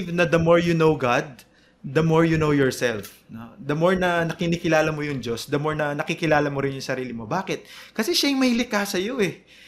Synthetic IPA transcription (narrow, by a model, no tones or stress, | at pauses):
vnɐd̪ɐmoɹjunowɡad̪̚ː | ɐmoɹjunowjɔɹsɛlf | nod̪ɐmoɹnɐnɐkɪnikɪlaːlɐmojʊŋd͡ʒo̞sd̪ɐmoɹnɐnɐkɪkɪlaːlɐmoɾɪnjʊŋsɐɾiːlɪmobaːkɛt̪̚kɐsɛʃɐjʊŋmɐhɪlɪkasɐjo̞ʔɛ